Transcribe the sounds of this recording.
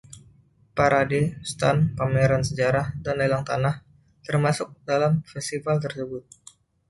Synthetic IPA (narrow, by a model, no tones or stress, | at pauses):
paɾadest̪anpameɾansəd͡ʒaɾahdanlelaŋt̪anah | t̪ərmasʊk̚dalamfɛst̪ifalt̪ərsəbʊt̪̚